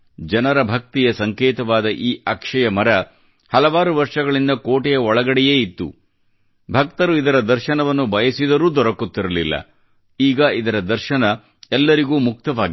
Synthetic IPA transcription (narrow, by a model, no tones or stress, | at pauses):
d͡ʒɐnɐɾɐbʱɐk̚t̪ijɐsɐŋkɛːt̪ɐʋaːd̪ɐʔiːʔɐkʂɐjɐmɐɾɐ | hɐlɐʋaːɾuʋɐɾʂɐɡɐɭind̪ɐkoːʈɛjɐɔɭɐɡɐɽɛjeːit̪ːṵ | bʱɐkt̪ɐɾuid̪ɐɾɐd̪ɐɾʃɐnɐʋɐnːubʱɐjɐsid̪ɐɾuːd̪ɔɾɐkut̪ːiɾɐlilːɐ̰ | iːɡɐid̪ɐɾɐd̪ɐɾʃɐnɐ | ɛlːɐɾiɡuːmuk̚t̪ɐʋaːɡi